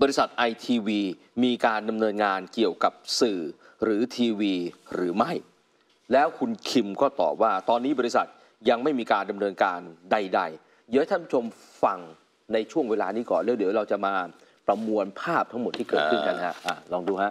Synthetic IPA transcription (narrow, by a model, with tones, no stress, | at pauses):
bɔː˧ɾi˦˥sa˨˩t̪̚ʔa˧jt̪ʰiː˧wiː˧ | miː˧kaː˧nda˧mnɤː˧nŋaː˧nki˨˩əwka˨˩p̚sɯː˨˩ | ɾɯː˩˦t̪ʰiː˧wiː˧ɾɯː˩˦ma˥˩j | lɛː˦˥wkʰu˧nkʰi˧mkɔː˥˩t̪ɔ̰ː˨˩p̚waː˥˩t̪ɔː˧nːiː˦˥bɔ˧ɾi˧˥sa̰˨˩t̪̚ | ja˧ŋma˥˩jmiː˧kaː˧nda˧mnɤː˧nkaː˧nda˧jda˧j | jɯː˦˥˦t̪ʰa˥˩pʰu˥t͡ɕʰo˧m | fa˧ŋ | na˧jt͡ɕʰu˥˩əŋweː˧la̰ː˧niː˦˥kɔ̰ː˨˩nlɛː˨˦˥wdi˩˦wɾa˧wt͡ɕa˨˩maː˧ | pɾa˧mu˧ənpʰaː˥˩p̚t̪ʰa˦˥ŋmo˨˩t̪ʰːiː˥˩kɤː˨t̪̚kɯ˥˩nkʰa˥˩lha˦˥ʔaː˨˩lɔː˧ŋduː˧ɦa˦˥ʔ